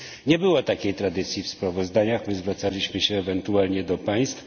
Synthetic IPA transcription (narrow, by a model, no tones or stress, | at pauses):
ɲɛbɘwɔt̪akʲejt̪ɾad̪ɘt̪sʲjifspɾavɔzd̪aɲaxmɘzvɾat̪salʲiɕmɘɕɛːvɛnt̪ualɲɛd̪ɔpaj̃st̪f